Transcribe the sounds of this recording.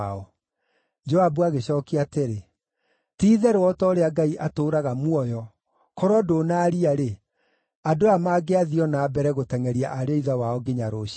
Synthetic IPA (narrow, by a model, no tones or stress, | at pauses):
ɔ | d͡ʒɔabuaɣeɕɔːkiateɾe | tiːðɛɾwɔtɔɾeaɡaiʔatoːɾaɣamwɔjɔ | kɔɾwɔdoːnaːɾiaɾe | adoamaːɡeaðiɔnaːbɛɾɛɣotɛŋɛɾia̰ʔaɾeiðawaɔɡeɲaɾoɕ